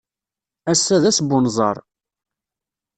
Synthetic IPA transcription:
æsːæðæsbʊnzˤɑ̰ɾˤ

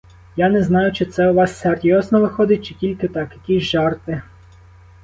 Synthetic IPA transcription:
janɛznɑjʊt͡ʃɪt̪sɛʊʋɑsːɛrt̪ʲjɔznɔʋɪxɔd̪ɪt̚ʲt͡ʃɪkʲilʲkɪt̪ɑkjɐkʲizʲʒɑrt̪ɪ

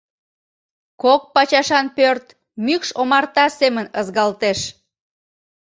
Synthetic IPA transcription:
kok̚pɑt͡ɕɑʃɑnpørt̪ | mykʃomɑrt̪ɑsemənəzɣɑlt̪eʃ

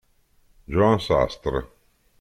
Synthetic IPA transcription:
d͡ʒoãnsa̰st̪ɾə

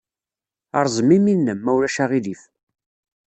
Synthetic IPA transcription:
ɑɾˤzˤəmiminːəmːæwɾæʃæʁilif

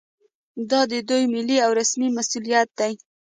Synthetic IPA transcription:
d̪ɑd̪əd̪ujmɪliawɾasmimasulijat̪̚d̪aj

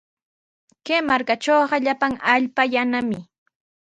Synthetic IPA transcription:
keːmaɾkat͡ʃoːɢɑʎapaŋaʎpajanamɪ

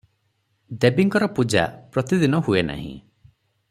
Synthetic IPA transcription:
d̪ebiŋkɔɾɔpud͡ʒa̰pɾɔt̪id̪inɔɦuena̰ɦḭ̃

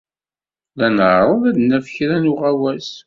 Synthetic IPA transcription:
lænəʕɾˤəðæd̪næfçɾænʊʁæwæs

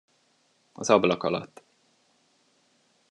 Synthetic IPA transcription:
ɒzɒblɒkɒlɒ̰t̪ː

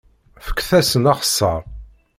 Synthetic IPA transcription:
fə̥kːθæsənɑχə̥sːɑɾˤ

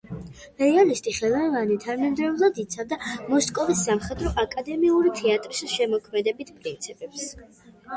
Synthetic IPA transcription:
ɛɾialist̪ʼiχɛlˠɔvanit̪ʰaɾmɛnd̪ɾɛvlˠad̪it̪sʰavd̪amɔskʼɔvisːamχɛd̪ɾɔʔakʼad̪ɛmiuɾit̪ʰɛat̪ʼɾisʃɛmɔkʰmɛd̪ɛbit̪ʰpʼɾint̪sʰipʼɛps

